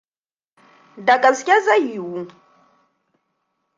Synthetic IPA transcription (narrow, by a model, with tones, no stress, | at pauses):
da˨kʼa˨zkʲa˦za˦ju˨wu˦